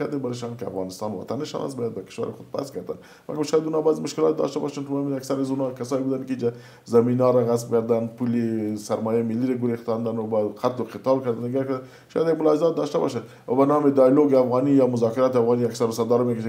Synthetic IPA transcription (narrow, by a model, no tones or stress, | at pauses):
aɾd̪ebaɾɪʃ̬ɑnkɪa̰fɣɑnɪst̪ɑnwa̰t̪anɪʃɑ̰na̰st̪bɑjad̪̚bakɪ̥ʃwa̰ɾɪxʊd̪̚pa̰sɡaɾd̪a̰n | ma̰ɡaʃɑjad̪unɔbazɪmʊʃkɪlɑ̰t̪̚d̪ɑ̰ʃt̪abɔ̰ʃant̪ʊmminaksaɾazunɑkasɑːjebud̪ankɪid͡ʒa | zaminɑɾaɣasp̚ɡaɾd̪anpulesaɾmɑjamɪlːiɾaɡʊɾext̪ɑnd̪anʊbaqʰat̪lʊqɪt̪ɑlkaɾd̪and̪ɪɡaɾka | ʃɑ̰jad̪jaɡmʊlɑɪzɑt̪̚d̪ɑʃt̪abɑ̰ʃa | wabanɑmɪd̪ɑjloɡɪafɣɑnijɑmʊzɑkɪɾɑt̪ɪafɣɑniaksaɾʊsad̪ɑɾmekaʃa